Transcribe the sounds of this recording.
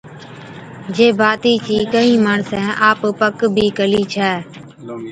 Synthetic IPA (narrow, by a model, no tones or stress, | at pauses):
d͡ʒeːbaːt̪iːt͡ʃiːkəɦĩːmaːɳsɛ̃ːʔaːppəkbʱiːkəliːt͡ʃʰɛː